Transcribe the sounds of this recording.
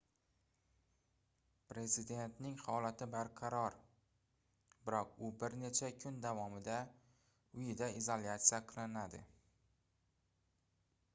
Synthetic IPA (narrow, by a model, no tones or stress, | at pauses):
pɾe̞zɪd̪e̞nt̪nɪŋhɒlat̪ʰɪbaɾqʰɑɾɒɾ | bɪɾɒq̚ʊbɪɾne̞t͡ʃʰakʰʊnd̪avɒmɪd̪a | ʊjɪd̪aizolʲat̪sijaqʰɨlˠɪnad̪ɪ̰